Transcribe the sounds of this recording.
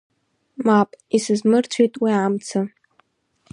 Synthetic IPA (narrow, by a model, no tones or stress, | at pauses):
mapʼisɨzmɨrt͡sʷʰitʼwiamt͡sʰɨ